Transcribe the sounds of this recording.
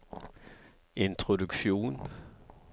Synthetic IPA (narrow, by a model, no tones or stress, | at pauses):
ʔɪnt̪ʰʁʊd̪ʉkʃuːn